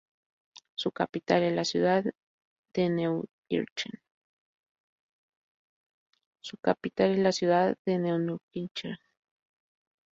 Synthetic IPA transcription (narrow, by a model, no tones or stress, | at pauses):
sʊkapit̪alelasjuðað | d̪enew | ḭɾt͡ʃen | sukapit̪alelasjuðaðːenewnukint͡ʃe